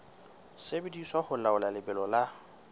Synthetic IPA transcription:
sebediswahʊlaʊlalɪbɛlɔla

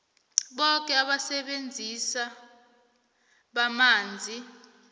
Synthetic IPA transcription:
ɓɔk̬ʼɛaɓasɛɓend͡zʱisa | ɓamaːnd͡zʱi

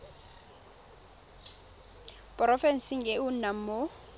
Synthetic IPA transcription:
pʼrɔfɛnsiŋɛunam̩mo

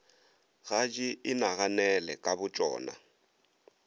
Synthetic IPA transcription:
ɣad͡ʒiɪnaɣanɛlɛkʼabʊt͡ʃʼɔ̰ːna̰

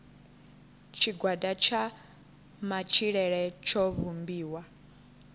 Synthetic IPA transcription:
t͡ʃʰiɡwadat͡ʃʰa | mat͡ʃʰiɺɛɺɛt͡ʃʰɔβumbiːwa

